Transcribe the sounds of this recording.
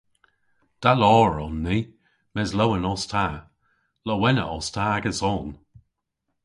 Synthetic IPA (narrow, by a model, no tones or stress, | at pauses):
d̥alɔːɹɔnːi | mɛzlowənɔstʰa | lɔwɛnə̰ʔɔstʰaːaɡəsɔːn